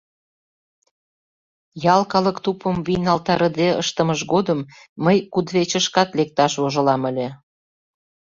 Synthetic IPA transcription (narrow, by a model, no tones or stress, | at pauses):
jɑlkɑləkt̪upəmβijnɑlt̪ɑɾə̆d̪eə̰ʃt̪ə̆məʃɡod̪əmː | əjkud̪βet͡ɕə̆ʃkɑt̪lek̚t̪ɑʃβoʒə̆lɑməlʲe